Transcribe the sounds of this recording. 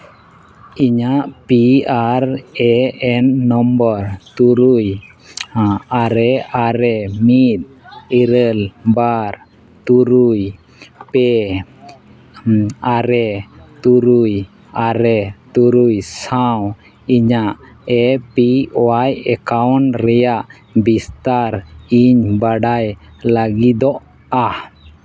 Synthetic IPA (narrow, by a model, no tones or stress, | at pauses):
iɲaʔpiaɾɛɛnːɔmbəɾt̪uɾuj | aɾɛaɾɛmit̪̚ | iɾəlbaɾ | t̪uɾuj | pɛ | aɾɛt̪uɾuj | aɾɛt̪uɾujsaw | iɲaʔ | ɛpiɔwajɛkawnɾɛjaʔ | bist̪aɾiɲbaɖajlaɡid̪ɔʔ | a